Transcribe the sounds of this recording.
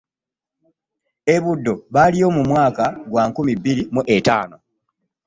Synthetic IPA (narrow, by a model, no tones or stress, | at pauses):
e̞βudːo̞βalijo̞ːmumwaːkaɡwaːŋkumibːiɾimuʔeta̰ːno̞